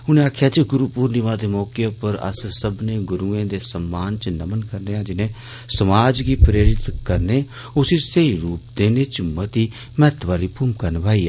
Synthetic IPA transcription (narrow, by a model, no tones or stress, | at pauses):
ʊnẽːaːkʰjaːt͡ʃeɡʊɾupuːɾnɪʋaːd̪eːmɔːkepəɾə̰ssəbnẽːɡʊɾuːẽːd̪eːsəmːaːnt͡ʃnəmənkəɾneːãːd͡ʒɪnẽː | səmaːd͡ʒɡiːpɾeːɾɪt̪kəɾneː | ʊsiːseiːɾuːp̚d̪eːneːt͡ʃmət̪iː | mɛːt̪ʋaːliːpʰuːmkəɾnbaːiː